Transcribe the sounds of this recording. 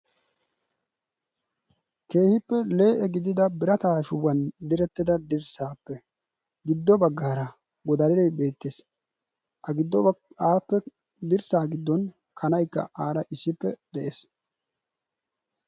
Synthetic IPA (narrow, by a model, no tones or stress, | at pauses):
ke̞ːhɪpːɛle̞ːʔɛɡɪd̪ɪd̪ɐbɪɾɐt̪aːʃʊwɐnd̪ɪɾɛt̪ːɪd̪ɐd̪ɪɾsaːpːɛ | ɡɪd̪ːɔbɐɡːaːɾɐ | wɔd̪ɐɾɪɾɛjbe̞ːt̪ːes | ʔɐɡɪd̪ːɔaːpːɛ | d̪ɪɾsaːɡɪd̪ːɔn | kʰɐnɐjkːɐ̰ʔaːɾɐʔɪsːɪpːɛd̪̥ɛʔeːs